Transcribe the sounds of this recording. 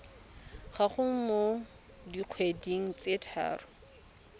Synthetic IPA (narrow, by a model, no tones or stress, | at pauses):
χaχʊŋ̩mo | diq͡χʰwediŋ̩t͡sʼetʰa̰ːrʊ